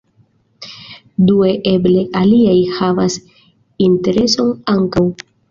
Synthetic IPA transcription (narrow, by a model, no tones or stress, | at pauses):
due̞ʔe̞ble̞ʔaliajhavas | inte̞ɾe̞so̞naŋkaw